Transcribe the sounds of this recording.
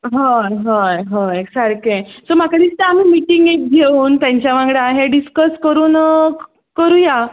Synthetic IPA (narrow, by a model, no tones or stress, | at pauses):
ɦajɦajɦoeksaɾkesɔmakaɽiːt͡st̪eam̤iːmiʈiŋɡek̚ɡʱeuːnt̪jãɲt͡ɕjaʋãŋɡɭaːɦeɖiskəskəɾuːn | kəɾuja